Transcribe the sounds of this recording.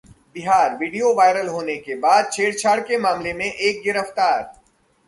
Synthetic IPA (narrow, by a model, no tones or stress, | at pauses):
bɪɦaːɾʋiːɖijoʋaːɪɾəlɦoːnekebaːd̪̚t͡ʃʰeːɽt͡ʃʰaːɽkemãːmlemẽʔːk̚ɡɪɾəft̪aːɾ